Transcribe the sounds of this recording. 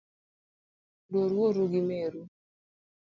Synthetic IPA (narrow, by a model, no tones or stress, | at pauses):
doɾwoɾuɡɪmeɾu